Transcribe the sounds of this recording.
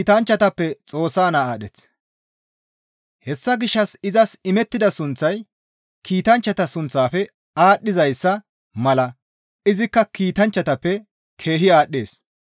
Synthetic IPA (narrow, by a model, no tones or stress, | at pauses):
t̪ɐnt͡ʃːɐt̪ɐpːɛt͡sʼo̞ːsːaːnaaːɗɛt͡s | hɛsːɐɡɪʃːɐsɪzɐsɪmɛt̪ːɪd̪ɐsʊnt͡sːɐj | kʰiːt̪ɐnt͡ʃːɐt̪ɐsʊnt͡sːaːfɛ | aːɗːɪzɐjsːɐ | mɐlɐ | ɪzɪkːɐkiːt̪ɐnt͡ʃːɐt̪ɐpːɛ | kʰe̞ːɦɪaːɗːe̞ːs